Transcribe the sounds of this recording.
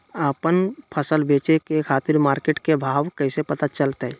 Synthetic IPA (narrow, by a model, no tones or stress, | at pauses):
əpənpʰəsəlbeːt͡ʃekekʰaːt̪ɪɾmaːɾkeʈkebʱaːʋkəɪsepət̪at͡ʃəlt̪ɦɛ